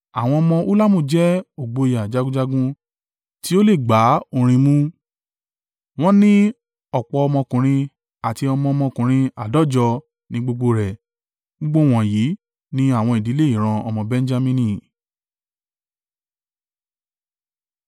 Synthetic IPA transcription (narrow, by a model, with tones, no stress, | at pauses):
a˨w̃ɔ̃˧ɔ˧mɔ̃˧ʔu˦la˦mũ˦˨d͡ʒɛ˨˦o˨ɡ͡bo˧˨ja˨d͡ʒa˧ɡũ˦d͡ʒa˧ɡũ˦ | ti˦o˦le˦˨ɡ͡ba˨˦o˧˨ɾ̃ĩ˧mũ˦ | w̃ɔ̃˦nĩ˦ | ɔ˦˨k͡pɔ˧ɔ˧mɔ̃˧kũ˨ɾ̃ĩ˧ | a˨ti˧ɔ˧mɔ̃˧ɔ˧mɔ̃˧kũ˨ɾ̃ĩ˧a˨dɔ˦˨d͡ʒɔ˧ | nĩ˧˦ɡ͡bo˧ɡ͡bo˧ɾɛ˨ | o˦ɡ͡bo˦˨w̃ɔ̃˨ji˨˦ | nĩ˦a˦˨w̃ɔ̃˧i˨di˨˦le˦i˦˨ɾ̃ã˧ɔ˧mɔ̃˧bɛ̃˦n˦d͡ʒa˦˧mĩ˧nĩ˧